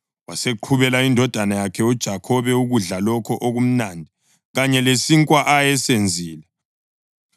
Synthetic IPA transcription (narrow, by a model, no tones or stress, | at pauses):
waseǃʰuβɛlaindʱɔd̥ʱanajakʰɛud̥ʒ̥ʱakʰɔβɛuɣuɮalɔkʰɔʔoɣum̩nandʱi | ɣaɲɛlesiŋkʼwaʔajɛsend͡zʱiːla